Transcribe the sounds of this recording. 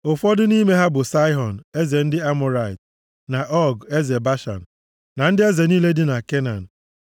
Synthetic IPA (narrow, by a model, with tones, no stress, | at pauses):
ʊ˨fɔ˦dɪ˦ni˦me˦ɦa˦bʊ˨sa˦ɪ˦ɦɔ˨n̩˨e˦ze˨n̩˦dɪ˦a˦mʊ˨ɾa˨ɪ˨t | na˨ʔɔ˦ɡe˦ze˨ba˦ʃa̰˨n̩˨ | na˨n̩˦dɪ˦e˦ze˨ni˦le˦dɪ˦na˨ke˦na̰˨n̩˨